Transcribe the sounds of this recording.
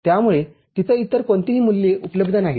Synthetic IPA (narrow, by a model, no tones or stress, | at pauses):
t̪jamuɭe | t̪it̪əit̪əɾkoɳt̪iɦiːmulːeʔupələbd̪ʱənaɦi